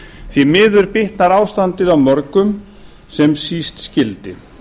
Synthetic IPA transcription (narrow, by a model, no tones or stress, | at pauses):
θimɪːðʏɾpɪht̪naɾaːwst̪ant̪ɪðawmœɾkʏm | sɛmsiːst̪scɪlt̪ɪ